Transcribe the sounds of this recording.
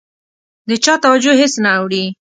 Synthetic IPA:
d̪ət͡ʃɑt̪awad͡ʒoɦɪsnaːwɽi

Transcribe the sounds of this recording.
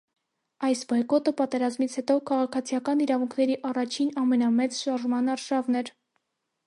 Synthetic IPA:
ɑjsbɔjkɔt̪əpɑt̪ɛɾɑzmit͡sʰhɛt̪ɔkʰɑʁɑkʰɑt͡sʰijɑkɑniɾɑvuŋkʰnɛɾiʔɑrɑt͡ʃʰinɑmɛnɑmɛt͡sʃɑɾʒmɑnɑɾʃɑvnɛɾ

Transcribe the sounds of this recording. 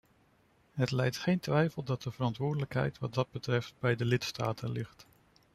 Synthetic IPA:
ɦətlɛjtχejntʋɛjfəlˠdɑt̚dəvəɾɑntʋʊːɹdələkɦɛ̰jtʋɑt̚dɑd̚bətrɛft̚bɛjdəlɪtsta̰ːtʰənlɪχt

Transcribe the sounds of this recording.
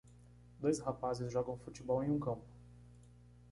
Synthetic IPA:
d̪ojshapazɪzʒɔɡɐ̃w̃fut͡ʃibɔwẽj̃ũkɐ̃mpʊ̥

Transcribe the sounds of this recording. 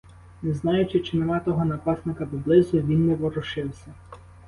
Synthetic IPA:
nɛznɑjʊt͡ʃɪt͡ʃɪnemɑt̪ɔɦɔnɐpɑsnɪkɐpɔblˠɪzʊʋʲinːɛʋɔɾʊʃɪwsʲɐ

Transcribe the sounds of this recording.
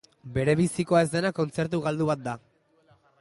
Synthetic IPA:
be̞ɾe̞βisiko̞ae̞zd̪e̞nako̞nt͡se̞ɾt̪̬uɣald̪uβat̪̚d̪a

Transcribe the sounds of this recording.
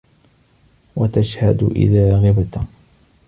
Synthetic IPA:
wat̪aʃhad̪ʔɪ̰ðaːɣɪbt̪

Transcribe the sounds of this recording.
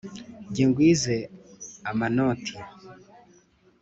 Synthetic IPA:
ɟiŋɡwiːzeamanotʰe

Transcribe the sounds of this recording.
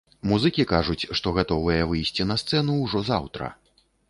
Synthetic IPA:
muzɨkʲikaʐut͡sʲʂt̪ɔɣat̪ɔvɐjɛvɨjsʲt͡sʲinɐst̪sɛnuwʐɔza̰wt̪ɾɐ̰

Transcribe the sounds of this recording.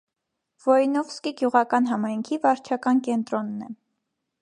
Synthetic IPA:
v̥ɔjnɔvskiɡjuʁɑkɑnɦɑmɑjŋkʰivɑɾt͡ʃʰɑkɑnkɛnt̪ɾɔnːɛ

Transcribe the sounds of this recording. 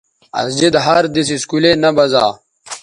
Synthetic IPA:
ɐ̰sd͡ʑid̪ɦɐɾd̪is̬iskulenɐbɐza̰ː

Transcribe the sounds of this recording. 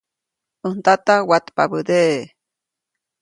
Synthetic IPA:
ɨnt̪at̪awat̪pa̰bəd̪eʔ

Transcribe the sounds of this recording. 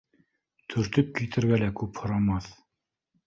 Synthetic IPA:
t̪ʰɵ̆ɾt̪ɵp̚kit̪ɘ̆ɾɡælækʉphŏɾɑmɑθ

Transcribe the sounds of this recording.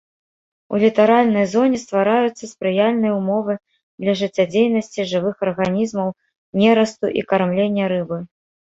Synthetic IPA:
ṵlʲit̪aɾalʲnɐjzɔnʲɛst̪vaɾajut̪sːɐspɾɨjalʲnɨjɐumɔvɨ | d̪lʲɐʐɨt͡sʲːad͡zʲejnɐsʲt͡sʲiʐɨvɨxɐrɣanʲizmɐw | nʲɛɾɐst̪uʔḭkarmlʲenʲːɐɾɨbɨ

